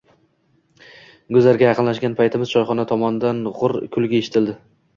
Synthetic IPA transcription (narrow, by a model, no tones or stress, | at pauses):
ɡʊzaɾɡʲajɑqʰɨnlaʃɡʲanpʰajt̪ʰɪmɪz̥t͡ʃʰɒjχɒnat̪ʰɒmɒnɪd̪anʁʊɾkʰʊlˠɡʲaeʃɪ̥t̪ʰɪld̪ɪ